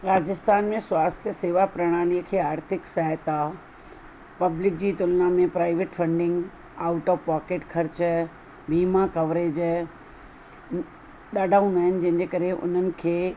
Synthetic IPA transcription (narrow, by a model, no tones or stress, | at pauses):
ɾaːd͡ʑɪst̪aːnmẽswaːst̪ʰjəseːʋapɾɐɽ̃aːliəkʰeːaːɾt̪ʰɪksaɦət̪a | pɐblɪk̚d͡ʑiːt̪ʊlnamẽpɾaːɪʋeːʈfɐ̃ɳɖɪ̃ŋɡ | aːʊʈɔːʋpaːkeːʈkʰɐɾt͡ɕ | biːmakɐʋɾeːd͡ʑ | ɗ̪aːɖʱaːũnd̪aːɦɪnɪ̆d͡ʑɐ̃ɦɪ̃ɲd͡ʑekɐɾeʔʊ̰n̤ənɪ̆kʰeː